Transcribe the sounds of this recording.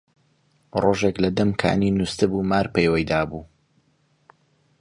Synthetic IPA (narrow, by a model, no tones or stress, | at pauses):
roːʒeklɐd̪ɐmkʰa̰ːninust̪ɨbumaːɾpejwəjd̪aːbuː